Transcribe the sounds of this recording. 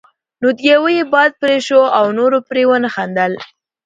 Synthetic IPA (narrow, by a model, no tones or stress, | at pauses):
nod̪jawəjebɑjd̪̚pɾeʃoawnoɾopɾewənəxand̪əl